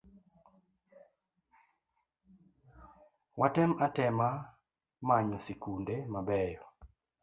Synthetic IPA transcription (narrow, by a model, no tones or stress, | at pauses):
watɛmatɛma | maɲɔsikundemabɛjɔ